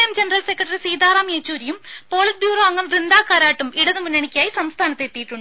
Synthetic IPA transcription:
jɐmd͡ʑenɐrɐlse̞kːɐʈːɐrisiːd̪aːraːmijet͡ɕːuːɾijumpo̞ːɭɐs̚bjuːrɐɐŋːɐmʋrind̪aːkːaːɾaːʈːumiɽɐðɨmunːɐɳikʲːaːjisɐmst̪ʰaːnɐt̪ːet̪ːijiʈːuɳɖɨ

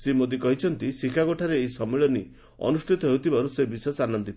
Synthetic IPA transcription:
semod̪ikɔɦit͡ʃʰɔnt̪isikʰaɡoʈʰaɾeːisɔmeɭɔni | ɔ̰nusʈʰit̪ɔɦewt̪ʰibaɾusebisɔsanɔnd̪it̪ʰ

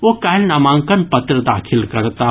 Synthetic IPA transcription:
ʋokaːlnɐmãːŋkənpɐt̪ɾəd̪aːkʰɪlkɐɾt̪a

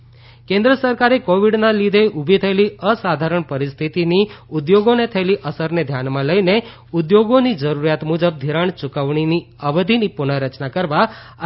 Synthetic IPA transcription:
kẽnd̪ɾəsəɾkaɾekoʋiɖnalid̪ʱeʔubʱit̪ʰəeliəsad̪ʱaɾəɳpəɾist̪ʰit̪iniud̪joɡonet̪ʰəeliʔəsəɾned̪ʱjanmãləine | ud̪joɡonid͡ʒəɾuɾjat̪mud͡ʒəb̚d̪ʱiɾaɳt͡ʃukəʋɳ̃ini | əʋəd̪ʱinipunəɾət͡ʃnakəɾʋa

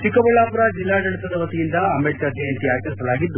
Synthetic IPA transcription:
ʈikɐʋɐɭaːmpɾaːd͡ʒilːaːɖɐɽit̪ɐd̪ɐʋɐt̪ijind̪ɐɐmeʈkɐd̪iɐnt̪iaːjk̪ɐɾsɐlaːɡid̪ːu

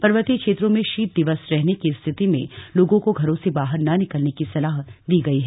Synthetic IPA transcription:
pɐɾʋət̪ikʃeːt̪ɾõmẽʃiːt̪̚d̪ɪʋəsɾɛɦnekist̪ʰɪt̪imḛ̃loːɡõkoɡʱɐɾõsebaːɦəɾnɐnɪkəlnekisɐlaːɦd̪iːɡɐiɦɛ

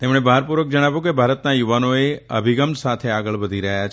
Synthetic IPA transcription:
t̪emɽ̃ebəaɦaɾpuɾʋək̚d͡ʒəɽ̃aʋjũk̬ebʱaɾət̪najuʋanoeə̰bʱiɡəmsat̪ʰeaɡəɭʋəd̪ʱiɾəɦjat͡ʃʰ

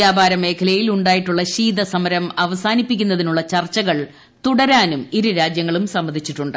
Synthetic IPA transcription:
jaːbʱaːɾɐme̞ːkʰɐlɐjiluɳɖaːjiʈːuɭːɐɕiːd̪ɐsɐmɐɾɐmɐʋɐsaːnipːikʲːunːɐðinuɭːɐt͡ɕɐrt͡ɕːɐɣɐɭ | t̪uɽɐɾaːnumiɾuɾaːd͡ʑjɐŋːɐɭumsɐmːɐnʱit͡ɕːiʈːuɳɖɨ

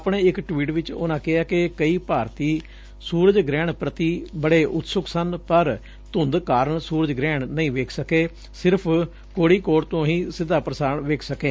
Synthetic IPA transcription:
apɳeːɪkʈʋiːʈʋɪt͡ʃo̰ːnãːkɪaːkɪkəiːpaːɾt̪iː | suːɾəd͡ʒɡɾɛːɳpɾət̪iːbəɽeːʔʊt̪sʊksənpəɾ | t̪ʊnd̪kaːɾəɳsuːɾəd͡ʒɡɾɛːɳnəĩːʋeːkʰsəkeː | sɪɾpʰ | koːɽiːkoːɾt̪õːɦĩːsɪd̪aːpɾəsaːɾɳʋeːkʰsəkeː

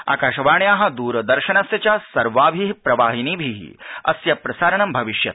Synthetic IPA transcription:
a̰ːkaːʃɐʋaːɳjaːɦɐ̆d̪uːɾɐd̪ɐɾʃɐnɐsjɐt͡ʃaːsɐɾʋaːbʱiɦipɾɐʋaːɦiniːbʱiɦḭɐ̰sjɐpɾɐsaːɾɐɳɐmbʱɐʋiʃjɐt̪

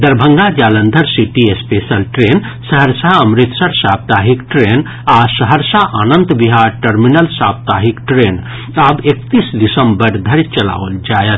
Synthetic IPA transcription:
d̪əɾbʱəŋɡad͡ʒalənd̪ʱəɾsiʈiespesəlʈɾen | səɦəɾsaəmɾit̪səɾsap̚t̪aɦikʈɾen | asəɦəɾsaʔanənt̪biɦaɾʈəɾminəlsap̚t̪aɦikʈɾen | abek̚t̪isd̪isəmbəɾd̪ʱəɾit͡ʃəla̰ʋəld͡ʒajət̪̚

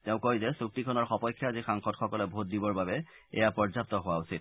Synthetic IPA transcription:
tɛʊ̃kojzɛsuk̚tikʰɔnɔɹxɔpɔjkʰːjaːzixaŋxɔtxɔkɔlɛbʱot̚dibɔɹbabɛ | ɛ̰japɔɹzap̚tɔɦʊwausit̚

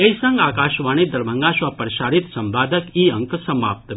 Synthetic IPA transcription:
ejsəŋɡaːkaʃʋañid̪əɾbəŋɡaʃʋapəɾʃaːɾit̪sɐmbaːd̪əkiəŋksɐma̰p̚t̪

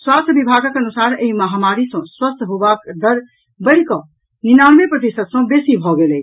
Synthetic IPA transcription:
swast̪ʰəbibʱaɡəkənusaɾeɦiməɦamaɾisʌ̃swəst̪ʰɦobakd̪əɾ | bəɪɽkɔ | ninanmepɾəd̪esət̪sə̃besibʱɔɡelɛ

